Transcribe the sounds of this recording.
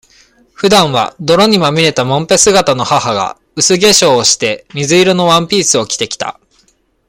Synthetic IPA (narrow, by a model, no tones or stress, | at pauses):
ɸɯ̟d̪ãɰ̃βa̰d̪o̞ɾo̞ɲ̟imamʲiɾe̞t̪amõ̞mpe̞sɨɡat̪ano̞hahaɡa̰ | ɯ̟sɨɡe̞ɕo̞ːɕi̥t̪e̞mʲizɨiɾono̞βãmpʲiːsɨo̞kʲi̥t̪e̞kʲi̥t̪a̰